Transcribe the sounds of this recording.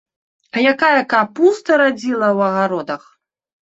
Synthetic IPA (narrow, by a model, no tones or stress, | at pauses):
ɐjakajɐkapust̪ɐɾad͡zʲilˠɐwɐɣaɾɔd̪ɐx